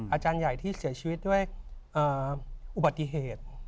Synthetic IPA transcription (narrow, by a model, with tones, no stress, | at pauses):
ʔaː˧t͡ɕaː˧nja˨˩jt̪ʰiː˥˩si˨˩˦ɐt͡ɕʰi˧i˦t̪̚du˥˩əjʔɤː˨˩ʔu˨˩ba˨˩t̪ːi˧˥ɦeː˨˩t̪̚